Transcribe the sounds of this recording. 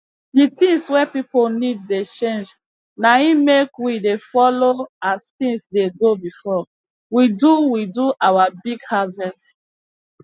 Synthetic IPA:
dit̪ĩŋswɛpipolnidːet͡ʃẽnd͡ʒ | naimekwidefɔloast̪ĩŋsdeɡobifɔ | widuwiduʔawabiɡhavɛst

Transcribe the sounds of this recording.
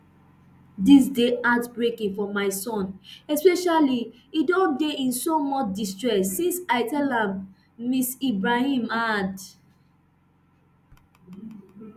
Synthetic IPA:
dis̬deatbɹekĩŋfɔmaɪsɔ̃nɛspɛʃali | idɔ̃ndeĩnsomɔt͡ʃdistɹɛsːĩnsaɪtɛlãmː | isibɹahĩmad

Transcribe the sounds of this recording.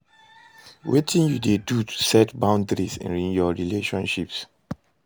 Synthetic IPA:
wetʰĩnjudedutʰu̥sɛtbãʊ̃ndɹisɛ̰̃nɹĩnjɔɹileʃɔ̃nʃips

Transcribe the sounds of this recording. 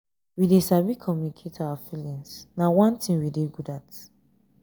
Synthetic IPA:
widesabikʰɔmjunikʰetʰawafilĩŋsnawãntʰĩmwideɡudat

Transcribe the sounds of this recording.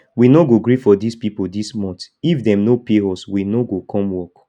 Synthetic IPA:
winoɡoɡɹifɔdispipodismɔ̃nt | ifdɛ̃mnopeɔswinoɡokʰɔ̃mwɔk

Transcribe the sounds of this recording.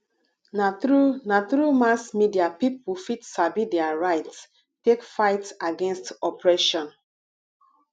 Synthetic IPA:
nanatɹumasmidiapip̚wufitsabidɛaɹaɪts | tekfaɪtaɡɛ̃nstɔpɹɛʃɔ̃n

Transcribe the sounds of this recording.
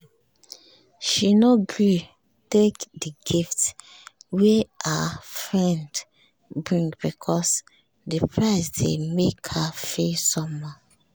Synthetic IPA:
ʃinoɡɹi | tekdəɡift | wɛʔafɹɛ̃nd | bɹĩŋbikʰɔs | dəpʰɹaɪsdemekhafesɔ̃mːɔ

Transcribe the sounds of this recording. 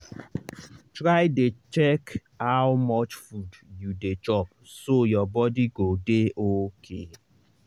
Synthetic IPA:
tɾaɪdet͡ʃek | aʊmɔt͡ʃfudjuded͡ʒɔp | sojɔbɔdiɡodeʔokʰe

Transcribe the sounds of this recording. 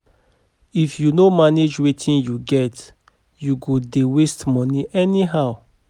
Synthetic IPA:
ifjunomaned͡ʒwetʰĩnjuɡɛt | juɡodewestmɔniʔɛniɦaʊ

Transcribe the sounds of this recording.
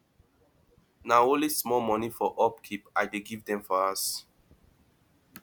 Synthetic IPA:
naõlismɔlmɔnifɔʔɔpkʰipaɪdeɡivdɛ̃mfɔas

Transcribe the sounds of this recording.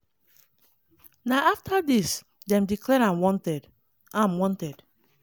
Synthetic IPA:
naaftʰadis | dɛ̃mdiklɛɾãnwɔ̃ntɛd | ãnwɔ̃ntɛd̥

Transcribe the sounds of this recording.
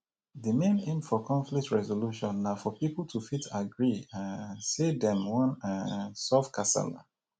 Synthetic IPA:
ðəmẽnẽnfɔkʰɔ̃ɱflik̚tɹɛzoluʃɔ̃nːafɔpipl̩ˠtʰufitʰaɡɹiãnsedɛ̃mwɔ̃nãsɔfkʰasa̰la̰

